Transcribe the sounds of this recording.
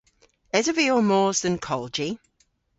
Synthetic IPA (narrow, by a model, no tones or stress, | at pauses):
ɛzəviəmɔːzðə̃nkʰɔlˠd͡ʒi